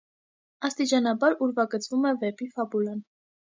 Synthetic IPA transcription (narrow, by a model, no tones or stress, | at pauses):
ɑst̪it͡ʃɑnɑbɑɾuɾvɑɡət͡svumɛvɛpifɑbulɑn